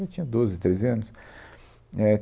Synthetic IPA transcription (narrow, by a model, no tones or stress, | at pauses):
at͡ʃĩɲɐd̪ozɪt̪ɾezɐ̃nʊs | ɛ